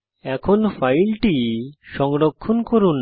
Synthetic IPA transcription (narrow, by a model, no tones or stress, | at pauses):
ɛkʰonfajlʈiʃɔŋɾokʰːonkoɾun